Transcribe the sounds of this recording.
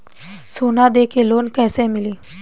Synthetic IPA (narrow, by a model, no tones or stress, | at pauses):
sonad̪ekʰelonkɛjsɛ̃miliː